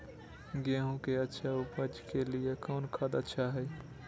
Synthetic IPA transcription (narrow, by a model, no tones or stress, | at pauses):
ɡeːɦõkeətːʃʰaupəd͡ʒkeliekɔːʊnkʰəd̪ətːʃʰaɦɛj